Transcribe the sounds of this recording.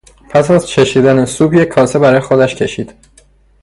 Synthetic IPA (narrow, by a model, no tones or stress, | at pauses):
pʰæsæzt͡ʃʰe̞ʃiːd̪ænesuːbjecʰːɒːsebæɾɒːjexod̪æʃcʰe̞ʃiːd̪̥